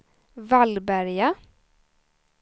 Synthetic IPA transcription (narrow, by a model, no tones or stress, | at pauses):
valbæɾja